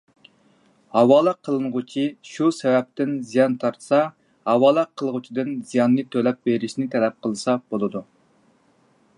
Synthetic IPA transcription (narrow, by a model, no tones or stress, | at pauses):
hɑwɑːlˠɑqʰːəlˠɨnʁʊt͡ʃʰiʃusɛwɛp̚t̪ɪnzijɑnt̪ʰɑɾt̪sɑ | hɑwɑːlˠɑqʰːəlˠʁʊt͡ʃʰid̪ɨnzijɑnːɨt̪ʰølɛp̚beɾɪʃnɪt̪ʰɛlɛp̚qʰəlˠɨsɑb̥olˠɨd̪u